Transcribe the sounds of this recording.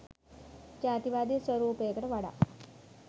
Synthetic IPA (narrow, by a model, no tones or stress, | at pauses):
t͡ɕaːt̪iʋad̪iːsʋəɾuːpekəʈəʋaɽa̰